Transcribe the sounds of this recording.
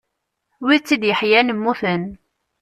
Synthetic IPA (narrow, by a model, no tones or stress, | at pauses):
wit͡sːid̪jəħjænəmːuθən